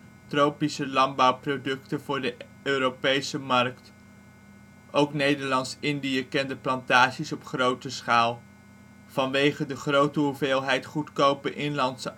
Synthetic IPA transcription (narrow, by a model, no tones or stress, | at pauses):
trowpisəlɑmbɑwprodɵktənvʊːɹdə | øːɾopejsəmɑrkt | ʔowknejdəɹlɑntsɪndijəkɛndəplɑntaːʃisɔpχrowtəsχaːlˠ | v̥ɑnʋejχədəχrowtəɦuveːlˠɦɛjtχutkowpənʔɪnlɑntsə